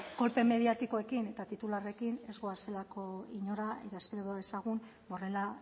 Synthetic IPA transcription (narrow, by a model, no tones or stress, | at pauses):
ɡ̥o̞lpe̞me̞ð̞iat̪iko̞e̞kine̞t̪at̪it̪ulare̞kine̞zɣoase̞lako̞iɲo̞ɾaḛt̪aespeɾoðesaɣun | o̞re̞la